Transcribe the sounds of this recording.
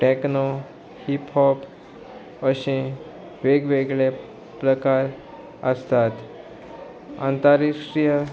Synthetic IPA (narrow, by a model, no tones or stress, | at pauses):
ʈekno | hiphɔb | əɕẽ | ʋeɡʋeɡɭe | pɾəkaɾ | əst̪at̪ | ã̰nt̪aɾisɾijə